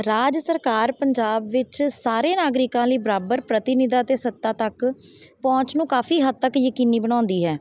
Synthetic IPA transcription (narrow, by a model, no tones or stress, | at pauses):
ɾaːd͡ʒsəɾkaːɾpəɲd͡ʒaːbʋɪt͡ʃsaːɾeːnaːɡɾɪkãːləiːbəɾaːbəɾpɾət̪ɪnɪd̪aːt̪eːsət̪ːaːt̪əkpɔ̃ːt͡ʃnũːkaːfʰiːɦəd̪̚t̪əkjəkiːniːbəɽ̃ãːnd̪iːɦɛː